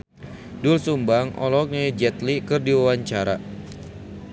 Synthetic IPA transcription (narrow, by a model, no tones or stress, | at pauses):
dulsumbaŋʔɔ̰lɔk̚ned͡ʒɛt̪likərdiwawaɲt͡ʃaɾa